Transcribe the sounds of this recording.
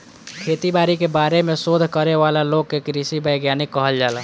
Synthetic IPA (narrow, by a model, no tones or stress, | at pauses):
kʰeːt̪ibaːɾikebaːɾemẽsod̪ʱkəɾeʋaːlaloːɡ̚kekɾisibəjɡjaːnɪkːəɦəld͡ʒaːlaː